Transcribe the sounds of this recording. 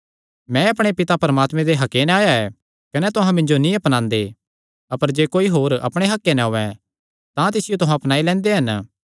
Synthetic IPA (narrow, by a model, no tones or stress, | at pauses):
mɛ̃ɐpɽ̃epɪt̪apɐɾɐmaːt̪mɛ̃d̪eɦɐkːenɛaːjaɛ | kɐnɛt̪ʊɦãmɪ̃ɲd͡ʒonĩɐpnãːnd̪e | ɐpəɾd͡ʒeːkoːiɦoːɾɐ̰pɽ̃eɦɐkːenɛɦoːɛ̃ | t̪ãt̪ɪsɪjot̪ʊɦãɐpnaːilɛ̃ːnd̪eɦɐn